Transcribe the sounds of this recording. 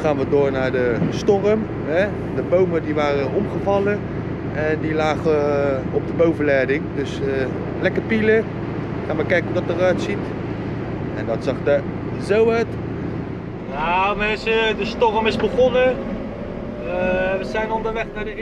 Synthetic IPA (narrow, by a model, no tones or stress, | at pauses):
χaːnʋədoːɹnaːɹdəstɔrəm | ɦɛ | dəbowmədiʋaːrəɔmχəvɑlə | ɛndilaːχə | ɔb̚dəbowvəlɛjdɪŋdɵs | lɛkərpilə | χaːnʋəkɛjkənɦudɑtərœɥtsit | ɛndɑtsɑχdə | zowœɥt | jamɛnsədəstɔrəmɪzbəχɔnə | ʋəzɛjnɔndəɹʋɛχnaːɹdə